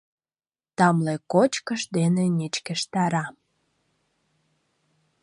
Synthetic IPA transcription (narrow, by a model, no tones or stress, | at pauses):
t̪ɑmlekot͡ɕkəʃd̪enenʲit͡ɕkĕʃt̪ɑɾɑ